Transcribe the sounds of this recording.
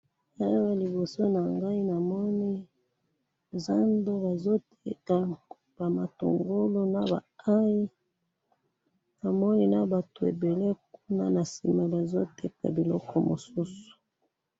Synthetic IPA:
ja˦o˦wa˨li˨bo˨so˦na˨ŋɡa˦i˦na˨mɔ˦ni˦ | za˦ndo˦ba˨zo˦tʰe˦ka˨ | b̥a˨ma˨to̰˨ŋɡo˦lo˦na˨ba̰˨a˦i˦ | na˨mɔ˦ni˦na˦ba˨to˨ḛ˨be˨le˦ku˦na̰˦na˨si˨ma˨ba˨zo˦tʰɛ˦ka̰˨bi˨lɔ˦kʰɔ˦mo̰˨su˦su̥˨

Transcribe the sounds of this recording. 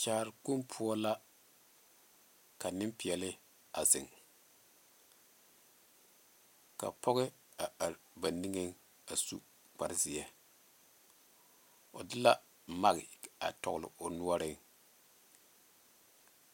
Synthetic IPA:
t͡ʃaː˨ɾɪ˨ku˦mpʰʊ˦ɔ˦la˦ | ka˨nɪ˦mpi˨ɛ˨lɪ˦ | a˨zɪ̰˨ŋ | ka̰˨pɔ˦ɣɪ˦ | a˨a˨ɾ | ba˨ni˦ŋe˦ŋ | a˨sṵ˦ | k͡pa˨ɾzi˦ɛ˦ | o˨dɪ˦la˦ | ma˦ɣɪ̰˨a̰˨tɔ̰˨ɣlɪ̰˨o˨nu˦ɔ˦ɾɪ˦ŋ

